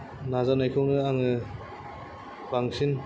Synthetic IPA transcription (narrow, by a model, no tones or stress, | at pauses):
nazanajkʰɔŋnɯaŋɯ | baŋsin